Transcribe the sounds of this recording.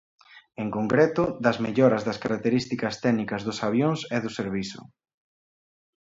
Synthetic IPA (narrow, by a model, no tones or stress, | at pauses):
eŋkoŋkɾɛt̪ʊd̪ɐzmeʎɔɾɐzðɐskaɾak̚t̪eɾist̪ikɐst̪ɛnikɐzðʊsaβjoŋsɛðʊseɾβisʊ̰